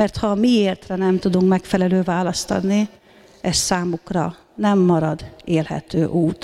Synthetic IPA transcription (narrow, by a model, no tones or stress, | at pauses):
ɛrt̪hɒmieːlt̪rɛnɛmt̪ud̪uŋkmɛkfɛlɛløːvaːlɒst̪ɒ̰d̪ni | ɛssaːmukrɒ | nɛmːɒɾɒd̪eːlhɛ̰t̪øːʔuːt̪